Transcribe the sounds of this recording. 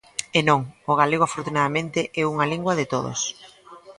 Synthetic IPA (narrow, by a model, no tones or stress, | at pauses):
enõŋoɣaleɣoafoɾt̪unaðamẽnt̪ɪʔɛuŋaliŋɡwɐðɪt̪oðo̰s